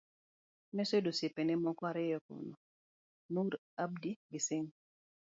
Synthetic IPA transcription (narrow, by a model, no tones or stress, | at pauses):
nɛsedosepenɛmɔkɔaɾɪjɔko̰nɔ | nuɾ | ab̚diɡɪsɪŋ